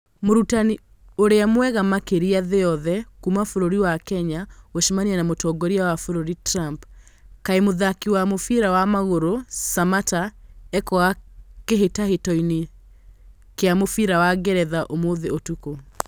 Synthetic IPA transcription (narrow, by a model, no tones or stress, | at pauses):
moɾutani | oɾeamwɛɣamakeɾiaðeɔðɛkumafoɾoɾiwakɛɲaweʃimaniɛnamotɔɡɔɾiawafoɾoɾitɾamp | kaemoðakiwamofiɾawamaɣoɾosamataɛkɔɣakeɦetahetɔine | keamofiɾawaɣɛɾɛðaʔomoðeotuko